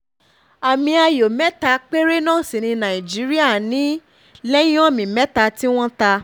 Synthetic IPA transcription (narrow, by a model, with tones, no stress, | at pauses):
a˨mĩ˧a˧jo˨mɛ˦ta˧k͡pe˦ɾe˦nãː˦˨si˨nĩ˧nã˨ĩ˨d͡ʒi˨˦ɾi˦a˦˨nĩ˨˦ | lɛ˦j̃ɔ̃˦˨mĩ˨mɛ˦ta˧ti˦w̃ɔ̃˦ta˧